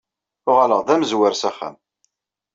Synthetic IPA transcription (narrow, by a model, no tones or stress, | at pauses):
ʊʁaləʁðæmzwəɾsæχæ̰m